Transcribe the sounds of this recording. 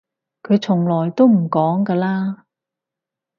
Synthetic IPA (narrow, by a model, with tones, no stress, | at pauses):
kʰɵ˨˧ɥt͡sʰʊ˨˩ŋlɔː˨˩jt̪o˥wm̩˨˩kɔː˨˥ŋkɐː˧laː˥